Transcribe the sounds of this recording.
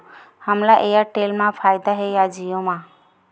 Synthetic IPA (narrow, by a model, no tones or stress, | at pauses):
həmlaʔejaʈelmãpʰajd̪aɦejad͡ʒijomã